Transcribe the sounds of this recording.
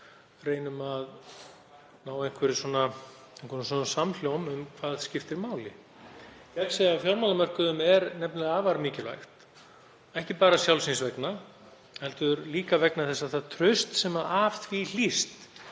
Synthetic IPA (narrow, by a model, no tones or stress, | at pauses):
reːjnʏmað | naːwejŋ̥kʰvɛɾɪswɔna | ejŋ̥kvɛɾɪsɔnːasaml̥jownʏmkʰv̥aːðscɪft̪ɪɾmaːwlɪ̰ | jɛksejafjɔɾmawlamɛr̥kʏðʏmɛɾnɛpnlɪaːvaɾmiːcɪla̰jxt̪ | ɛhcɪpaːɾasjawlsinsvɛkna | hɛlt̪ʏɾliːkavɛknaθɛsːaθaðt̪ʰɾʏst̪sɛmaðaːfθʰvil̥ist̪